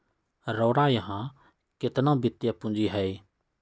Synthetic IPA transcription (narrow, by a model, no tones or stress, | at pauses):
ɾɔːɽajəɦãː | kɪt̪nãbɪt̪japʊ̃nd͡ʒiɦɛeː